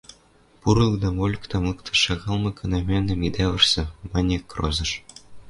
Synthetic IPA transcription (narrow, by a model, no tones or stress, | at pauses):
puɾlˠd̪ɑmolʲkt̪ɑmlˠɯkt̪ʰɤ̆ʃɑɣɑlˠmɤ̆kʰɤ̆nɑmʲenʲɘ̆mʲid̪ʲæβʲɘ̆rsʲɘ̆mɑnʲekro̰zɤ̆ʂ